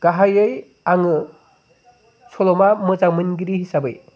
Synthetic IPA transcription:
ɡ̥aɦajɯj | aŋɯ | sʰɔlɔmamɯzaŋmɯnɡiɾihisabɯ̰j

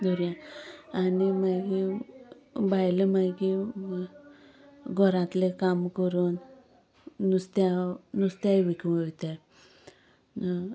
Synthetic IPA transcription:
d̪ʱuɾjãanimaɡi | bajləmaɡi | ɡʱɔɾãt̪lekamkəɾuːnː | ust̪aːust̪aʋikʋəʋt̪a

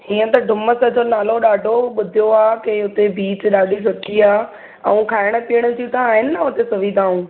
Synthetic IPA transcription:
ɦiːə̃t̪ɐɖʱʊmə̆sɐd͡ʑonaːloɗaːɖʱoɓʊd̪ʱijoaːkeɦʊt̪ebiːt͡ɕɗaːɖʱisɐkʰiaː | ɛ̃ũkʰaːɪɽ̃̆piəɽ̃ʊ̆d͡ʑit̪ɐaːɦɪnɪaɦʊt̪esɐʋiːd̪ʱaːũː

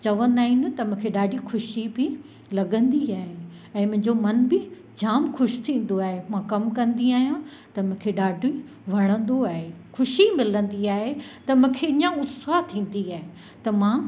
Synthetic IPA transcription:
t͡ɕɐʋə̃nd̪aːɦin̆t̪ɐmʊ̃ːkʰeɗaːɖʱixʰʊʃibɪ | lɐɠə̃nd̪iaːɦe | ɛ̃ːmʊ̃ɦɪ̃ɲd͡ʑomɐnbɪ | d͡ʑaːmxʰʊʃt̪ʰĩːn̆d̪oaːɦemãkɐmkɐ̃nd̪iaːɦijã | t̪ɐmʊ̃ːkʰeɗaːɖʱi | ʋ̤ʱɐɽ̃ə̃nd̪oaːɦexʰʊʃimɪlə̃nd̪iaːɦet̪ɐmʊ̃ɦkʰeɪ̃ɲãʊsat̪ʰĩːn̆d̪iaːɦe | t̪ɐmãː

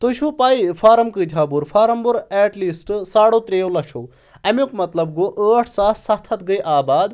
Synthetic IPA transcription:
t̪oʃʰupaːjfʰaːɾɐmkɨːd̪ʲʰaːbuɾfʰaːɾɐmbuɾɛːʈlisʈsaːɽot̪ɾeːwlɐʂʰow | ɐmjukmɐt̪lɐb̚ɡoʔəːʈʰsaːsɐt̪ʰːɐt̪ɡəjʔaːbaːd̪

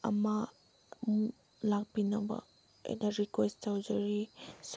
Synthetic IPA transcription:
ɐ̰ma | m | lak̚binɐbɐ̰ | ḛnaɾikwesttawd͡ʒɐɾis

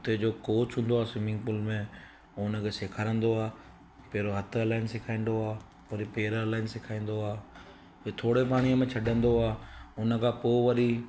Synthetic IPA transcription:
t̪ed͡ʑoːkoːt͡ɕɦũːn̆d̪oaːsɪmɪ̃ŋɡpʊlmẽ | ʊnə̆kʰeseːkʰaːɾə̃nd̪oaː | peːɾoɦɐt̪ʰelaːɪnsɪkʰaːĩːn̆d̪oaː | pɐɾipeːɾːlaːɪnsɪkʰaːĩːn̆d̪oaː | et̪ʰoːɽepaːɽ̃iəmẽt͡ɕʰɐɗə̃nd̪oaːʊnəkʰãːpoːʋɐɾi

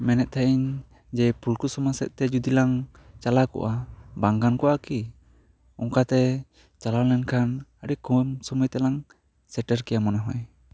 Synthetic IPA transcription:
mɛnɛt̪̚t̪ʰaʔiɲ | d͡ʒɛpulkusɔmasɛ̰ʔ̪̚t̪ɛd͡ʒud̪ilaŋ | t͡ʃalakɔ̰ʔabaŋɡankɔʔaki | ɔŋkat̪ɛ | t͡ʃalalɛnkʰanaɽikumsɔmujt̪ɛlaŋ | sɛʈɛɾkɛjamɔnaɦɔj

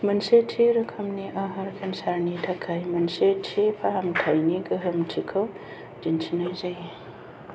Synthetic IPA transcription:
mɐnsetʰiɾɯkʰɐmniʔɐɦɐɾkʰɐnsaɾnidʰakʰːajmɐnsetʰipʰaɦamtʰajniɡɯɦɯmtʰikʰɔw | d͡ʒint͡ʃʰinajzaji

